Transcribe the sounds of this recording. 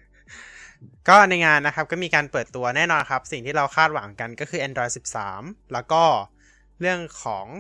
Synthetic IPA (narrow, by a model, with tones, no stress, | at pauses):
kɔː˥˩na˧jŋaː˧nːa˦˥kʰa˦˥p̚kɔ˥˩miː˧kaː˧npɤː˨˩t̪ːu˧ɐnɛː˥˩nɔː˧nkʰa˦˥p̚si˨˩ŋt̪ʰiː˥˩ɾa˧wxʰaː˥˩t̪̚wa˩˦ŋka˧nkɔː˥˩kʰɯː˧˩ʔa˧ndɔː˧jsi˨˩p̚sa̰ː˩˦mlɛː˦˥wkɔː˥˩ | ɾɯ˥˩əŋkʰɔː˩˦ŋ